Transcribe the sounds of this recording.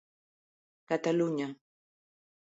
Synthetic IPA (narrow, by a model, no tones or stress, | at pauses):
kat̪alʊɲa